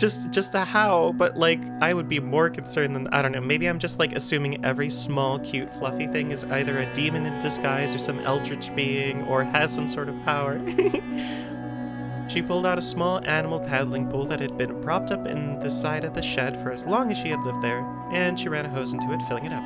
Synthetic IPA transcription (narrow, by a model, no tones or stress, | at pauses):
d̥ʒ̥ʌstd̥ʒ̥ʌstɨhaʊbʌʔlaɪkʔaɪwəd̚bimɔɹkʰn̩sɜ̃˞nðɨ̃na̰ɪɾõʊ̃nːoʊmeɪbiãɪ̃md͡ʒʌst̚ˡlaɪkɨsʉ̃mɪ̃ŋɛvɹismɔlˠkʰj̥ʉtflʌfiθɪ̃ŋɨza̰ɪðə˞ɨdimɨ̃nɨ̃nd̥ɨskaɪzə˞sʌ̃mɛ̰lˠtɹ̥ɨd͡ʒb̥iɪ̃ŋə˞ɨz̥sʌ̃msɔɹɾʌv̥pʰaʊə˞ | ʃipʰʊlˠdaʊɾəsmɔlˠʔænəm̩l̩ˠpʰæðl̩ˠɪ̃ŋpʰulˠðɨt̚hɨd̚bɨ̃npʰɹ̥ɑp̚tʌpɨ̰̃nðɨsaɪɾʌvðɨʃɛd̥fə˞ɨzlɔ̃ŋɨz̥ʃiɨdˡlɪvd̪̚ðə˞ | ʔɨ̃nʃiɹæ̃ɾ̃ɨɦoʊz̃n̩tʰʉɨtfɪlˠɪ̃ŋɨɾʌp̚